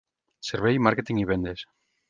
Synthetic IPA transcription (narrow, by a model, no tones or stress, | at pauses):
seɾβejmaɾket̪iŋiβend̪es